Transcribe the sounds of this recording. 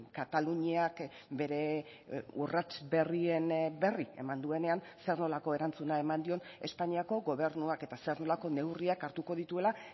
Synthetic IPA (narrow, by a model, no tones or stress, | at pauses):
kat̪aluɲiak | be̞ɾe̞ | urat͡sbe̞rie̞nbe̞rie̞̰mand̪ue̞ne̞an | se̞rno̞lako̞e̞ɾant͡sunae̞mand̪io̞ne̞spaɲiako̞ɡo̞β̞e̞ɾnuake̞t̪ase̞rno̞lako̞ne̞wriakaɾt̪uko̞ðit̪ue̞la